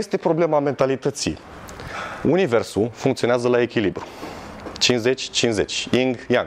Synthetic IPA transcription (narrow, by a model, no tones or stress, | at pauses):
jest̪e̞pɾo̞ble̞maːme̞nt̪alit̪ət̪sḭ | unive̞rsufuŋkt̪sio̞neazəlaekʲilibɾut͡ʃinsze̞t͡ʃʲt͡ʃinsze̞t͡ʃʲiŋɡja̰ŋ